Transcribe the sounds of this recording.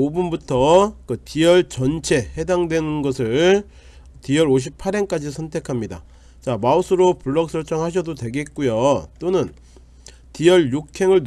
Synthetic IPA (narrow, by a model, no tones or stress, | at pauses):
obunbutʰʌkɯtijʌɭt͡ɕʌnt͡ɕʰe̞he̞daŋdwe̞nɯnɡʌsʰɯɭ | tijʌɾoɕ̬ʰipʰaɾenk͈ad͡ʑisʰʌntʰe̞kʰamɲida̰ | t͡ɕamausʰɯɾopuɭːʌk̚s͈ʰʌɭt͡ɕ͈ʌŋɦaɕ̬ʰʌdodwe̞ɡe̞t̚k͈ujot͈onɯn | tijʌɭjuk̚kʰe̞ŋɯɭn